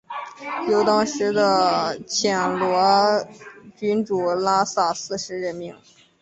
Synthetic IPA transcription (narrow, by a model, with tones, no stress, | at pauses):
jo˨˩ʊt̪ɑ˥ŋʂɻ̩˧˥d̪ə˧t͡ɕʰjɛ˨˩nlwɔ˧˥ | t͡ɕy˧˥nʈ͡ʂu˨˩la˥sa˥˩sɹ̩˥˧ʂɻ̩˧˥ɻə˧˥nmi˧˥ŋ